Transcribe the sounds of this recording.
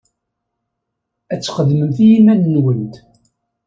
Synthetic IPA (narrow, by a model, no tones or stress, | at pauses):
æt͡sːχəðməmθijimænnwənt̪